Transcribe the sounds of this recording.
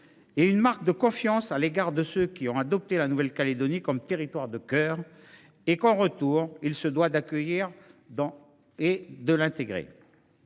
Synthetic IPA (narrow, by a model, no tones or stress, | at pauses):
eynmaʁk̚d̪əkɔ̃fjɑ̃saleɡaʁd̪əsøkʲiɔ̃ad̪ɔp̚t̪elanuvɛlkaled̪ɔnikɔmt̪eʁit̪waʁd̪əkœːʁ | ekɑ̃ʁət̪uʁilsəd̪wad̪akʲəjiʁd̪ɑ̃ | ed̪əlɛ̃t̪eɡʁḛ